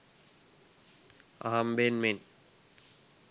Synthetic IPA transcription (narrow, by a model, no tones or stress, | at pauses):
a̰ɦambenmen